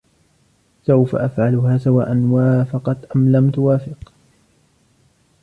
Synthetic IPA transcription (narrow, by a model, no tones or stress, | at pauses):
sawfa̰ʔafʕalʊhaːsawa̰ːʔanwaːfɑqɑt̪ʔamlamt̪ʊwaːfɪq